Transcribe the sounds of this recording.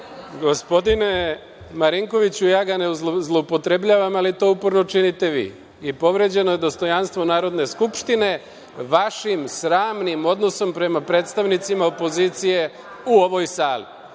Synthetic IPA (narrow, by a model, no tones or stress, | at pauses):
ɡo̞spo̞d̪ine̞ | maɾiŋko̞ʋit͡ɕujaːɡaneuzzlˠoupo̞t̪ɾe̞bʎaːʋamalit̪o̞ːupoɾno̞t͡ʃinit̪e̞ʋḭː | ipo̞ʋɾe̞ːd͡ʑe̞no̞je̞d̪o̞st̪o̞janst̪ʋo̞naːɾo̞d̪ne̞skupʃt̪ine̞ | ʋaʃimsɾaːmnimo̞d̪no̞so̞mpɾe̞mapɾe̞ːt̪st̪aʋnit̪simaopo̞ziːt̪sije̞ | uo̞ʋo̞jsaːlḭ